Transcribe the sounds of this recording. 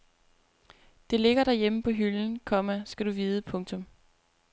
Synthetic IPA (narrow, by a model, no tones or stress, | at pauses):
d̥e̝le̝ɡ̥ɐɾæjeməpʰɒ̽ɦyln̩kʰɒ̽mæsɡ̥æɾ̥uʋiːðˠəpʰɔ̽ŋt͡sʰɔ̽m